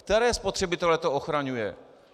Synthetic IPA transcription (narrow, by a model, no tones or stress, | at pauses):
kt̪ɛɾɛːspo̞t̪r̝̥ɛbɪt̪ɛlɛt̪ooxɾaɲujɛ̰